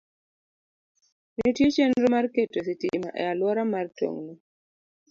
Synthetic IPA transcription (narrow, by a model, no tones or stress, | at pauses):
netjet͡ʃɛnɾɔmarketositima̰ʔɛ̰alwɔɾamarto̰ŋni